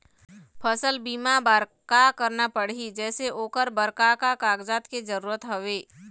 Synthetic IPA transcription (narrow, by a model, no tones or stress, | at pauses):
pʰəsəlbiːmabəɾkakəɾnapəɽ̤id͡ʒɛːseʔoːkəɾbəɾkakakaːɡd͡ʒaːt̪ked͡ʒəɾuːɾət̪ɦəʋeː